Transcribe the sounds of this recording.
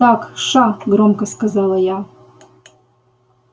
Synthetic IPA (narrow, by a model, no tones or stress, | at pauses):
ɑkʃɑɡɾomkəskazɑlˠaja